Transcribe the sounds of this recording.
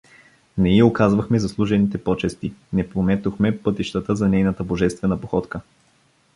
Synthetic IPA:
nɛiokazvɐxmɛzɐslˠuʒɛnit̪ɛpɔt͡ʃɛst̪inɛpɾomɛt̪oxmɛpɤt̪iʃt̪ət̪əzɐnɛjnət̪əboʒɛst̪vɛnəpoxɔt̪kə

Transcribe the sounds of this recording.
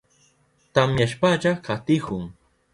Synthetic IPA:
t̪amjaʃpaʎakat̪ɪkʊŋ

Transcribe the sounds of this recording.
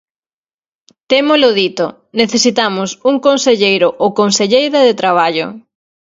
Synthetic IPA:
t̪emolʊðit̪o̰ | neθesit̪amʊsuŋkonseʎejɾʊʔokonseʎejɾɐðet̪ɾaβ̞aʎʊ̰

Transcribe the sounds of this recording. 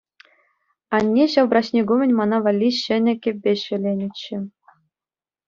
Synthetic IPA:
ɑnʲːeɕɑlbrɑɕnʲeɡumʲɘ̆nʲmɑnɑʋɑlʲːiɕɘ̆nʲɘ̆kʲɘ̆p̚ʲbʲeɕɘ̆lʲenʲɘ̆t͡ɕːɘ̆

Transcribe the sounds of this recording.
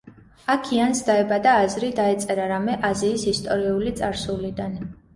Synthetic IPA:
akʰiansd̪aɛbad̪aːzɾid̪aɛt̪sʼɛɾaɾamɛʔaziːsist̪ʼɔɾiulit̪sʼaɾsulid̪an

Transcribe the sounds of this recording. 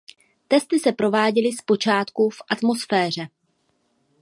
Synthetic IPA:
t̪ɛst̪ɪsɛpɾo̞vaːɟɛlɪspo̞t͡ʃaːt̪kufʔat̪mo̞sfɛːr̝ɛ

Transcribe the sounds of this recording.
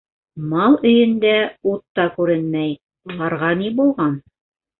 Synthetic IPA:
mɑlˠɵ̆jɘ̆nd̪æut̪ːɑkʉɾɘnmæj | ulˠɑɾʁɑnibulˠʁɑn

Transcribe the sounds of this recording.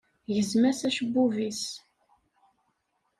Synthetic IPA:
ʝəzmæsæʃəbːuvis

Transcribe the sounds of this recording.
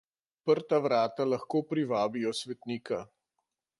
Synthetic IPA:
pəɾt̪aʋɾaːt̪alaxkoːpɾiʋaːbijɔsʋɛt̪niːka

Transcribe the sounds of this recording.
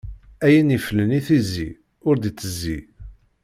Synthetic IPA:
æjənifələniθizi | ʊɾd̪it͡sːəzːi

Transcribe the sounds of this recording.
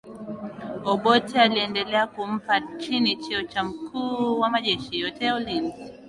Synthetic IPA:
ɔɓɔtialiɛndɛlɛakum̩pat͡ʃinit͡ʃɛɔt͡ʃam̩kʰuːwamaʄɛʃijɔtɛjaulimp

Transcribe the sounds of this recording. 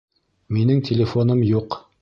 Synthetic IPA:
minɘŋt̪ʲʰɪlʲɪfonɤmjuq

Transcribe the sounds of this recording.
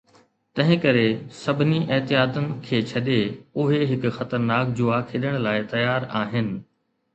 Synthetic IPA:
t̪ɐ̃ɦɪ̃kɐɾesɐbʱɪniʔɪɦt̪ɪjaːt̪ənɪ̆kʰeːt͡ɕʰɐɗeʊɦeɦɪkxɐt̪əɾnaːk̚d͡ʑʊakʰeːɗəɽ̃laːɪt̪ɐjaːɾaːɦɪnɪ̆

